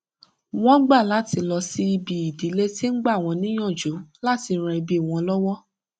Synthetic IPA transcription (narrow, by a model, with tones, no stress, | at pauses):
w̃ɔ̃˦ɡ͡ba˦˨la˨˦ti˧lɔ˧si˧i˧bi˨i˨di˨˦le˦ti˦n̩˦ɡ͡ba˦˨w̃ɔ̃˧nĩ˦j̃ã˦˨d͡ʒo˨˦la˦ti˧˦ɾ̃ɛ̃˧i˧bi˨˦˨w̃ɔ̃˧lɔ˦wɔ˦